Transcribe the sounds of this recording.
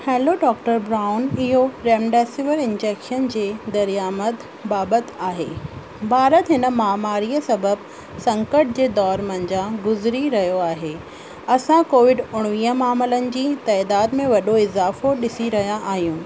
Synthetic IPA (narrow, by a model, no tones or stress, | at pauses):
hɛ̃ːloɖɔːk̚ʈəɾbɾaːʊnɪɦoɾɛːmɖɛːsɪʋəɾɪ̃nd͡ʑɛːkʃənd͡ʑeːd̪ɐɾijaːmət̪ | baːbət̪aːɦeː | bʱaːɾət̪ɦɪnə̆maːmaːɾiːəsɐbəb | sɐ̃ŋkəʈ̚d͡ʑeːd̪ɔːɾmɐ̃nd͡ʑaɡʊzɾiɾɐɦijoaːɦeː | ɐsãkoːʋɪɖʊɽ̃ʋiːɦəmaːmələnɪ̆d͡ʑiːt̪ɛːd̪aːd̪mẽʋɐɗoɪzaːfoɗɪsiɾɐɦijãʔaːɦijũː